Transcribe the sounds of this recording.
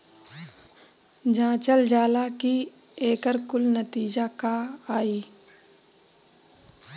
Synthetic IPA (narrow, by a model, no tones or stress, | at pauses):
d͡ʒãːt͡ʃəld͡ʒaːlaki | eːkəɾkʊlnət̪iːd͡ʒakaaːiː